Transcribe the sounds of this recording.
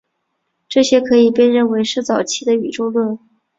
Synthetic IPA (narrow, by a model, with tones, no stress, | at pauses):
ʈ͡ʂɤ˥˩ɕjɛ˥kʰɤ˧˥i˨˩pjɛ˥nɻə˥˩nwe˧˥ɪʂɻ̩˥˩t͡sɑ˨˩ʊt͡ɕʰi˥˩d̪ə˨y˨˩ʈ͡ʂo˥ʊlwə˥˩n